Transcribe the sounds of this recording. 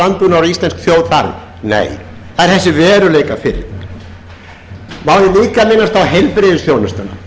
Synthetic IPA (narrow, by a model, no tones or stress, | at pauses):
ant̪ʏnaɾist̪lɛnskθjoːwðθaɾn | nḛjθaðɛɾ̥θɛsːɪvɛːɾʏlejkafɪɾ | mawðɪliːkamɪnːast̪awɦejlpɾɪðɪsθjownast̪ana̰